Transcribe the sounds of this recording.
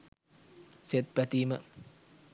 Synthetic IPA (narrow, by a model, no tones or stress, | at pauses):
set̪̚pɾæt̪iːmə